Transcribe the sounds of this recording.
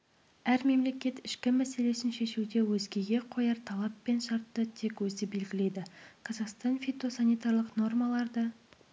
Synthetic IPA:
æɾme̞mle̞kʲe̞t̪ɪʃkʲɪmæse̞le̞sɪnʃe̞ʃuwd̪e̞wɵzɡʲe̞ɡʲe̞qʰo̞jɑɾt̪ʰɑlˠɑpːe̞nʃɑɾt̪ːət̪ʰe̞kwɵzɪbe̞lɡʲɪle̞d̪ɪqʰɑzɑqst̪ɑnfit̪o̞sanijt̪aɾlˠəqno̞rmɑlˠɑɾd̪ə

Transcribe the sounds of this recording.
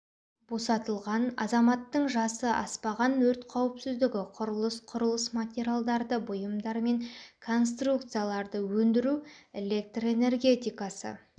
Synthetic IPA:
b̥o̞sɑt̪əlˠʁɑnɑ̰zɑmɑt̪ːəɴʒɑsəʔɑ̰spɑʁɑnwɵɾt̪qʰɑwəpsɪzd̪ɪɡʲɪqʰʊɾəlˠəsqʰʊɾəlˠəsmat̪ʲeɾʲialˠd̪ɑɾd̪əbʊjəmd̪ɑɾme̞ŋkʰo̞nst̪ruk̚t̪sɨjalˠɑɾd̪əwɵnd̪ɪɾue̞lʲe̞k̚t̪roe̞ne̞rɡʲe̞t̪ʲijkɑsə̰

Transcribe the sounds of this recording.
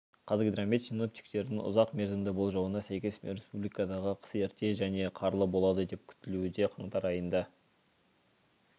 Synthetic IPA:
qʰɑzkd̪ramʲːit̪sino̞p̚t̪i̥k̚t̪e̞ɾd̪ɪŋʊ̰zɑqme̞ɾzɪmd̪ɪbo̞lˠʒɑwənɑsæjkʲe̞smeɾe̞spublikɑd̪ɑʁəqʰə̥seɪɾt̪e̞ʒæne̞qʰɑɾlˠəbo̞lˠɑd̪əd̪e̞p̚kʲʰʏ̥t̪ɪluɪd̪e̞qʰɑɴt̪ɑɾɑjənd̪ɑ

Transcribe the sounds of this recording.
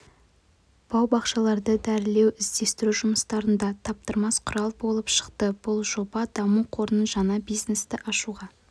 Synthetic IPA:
b̥ɑwbɑqʃɑlˠɑɾd̪əd̪æɾɪle̞wɪzd̪e̞st̪ɪɾuʒʊməst̪ɑɾənd̪ɑt̪ʰɑp̚t̪əɾmɑsqʰʊɾɑlˠbo̞lˠəpʃə̥qt̪əb̥ʊlˠʒo̞bɑd̪̥ɑmuqʰo̞ɾnənʒɑnɑbijznest̪ɪʔɑʃuʁɑ

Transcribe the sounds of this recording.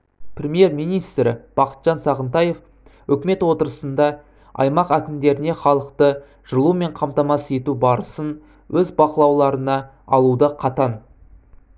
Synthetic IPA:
prʲemʲje̞ɾmijnijst̪ɾɪb̥ɑqə̥t̪ʒ̥ɑnsɑʁənt̪ɑje̞f | ʏkʲme̞t̪wo̞t̪əɾəsənd̪ɑ | ɑ̰jmɑqækʲɪmd̪e̞ɾɪne̞χɑlˠəqt̪ə | ʒ̥əlˠume̞ɴqʰɑmt̪ɑmɑse̞t̪ubɑɾəsən | wʔɵzbɑqəlˠɑwlˠɑɾənɑ | ɑlˠud̪əqʰɑt̪ɑn

